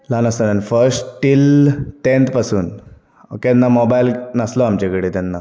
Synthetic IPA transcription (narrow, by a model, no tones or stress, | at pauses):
lanəst̪ananifəɾsʈʈilʈent̪pasuːn | o̰kenːamɔbajilnəsloamt͡ɕekəɽit̪ɛnːa